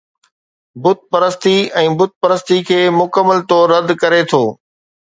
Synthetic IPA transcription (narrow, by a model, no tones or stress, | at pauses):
bʊt̪̚pɐɾəst̪iɛ̃ːbʊt̪̚pɐɾəst̪ikʰeːmʊkəmːəlt̪ɔːɾːɐd̪kɐɾet̪ʰoː